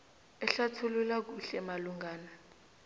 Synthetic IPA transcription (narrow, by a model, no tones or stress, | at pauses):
ɛɬatʰululak̬uɬɛmaluŋɡaːna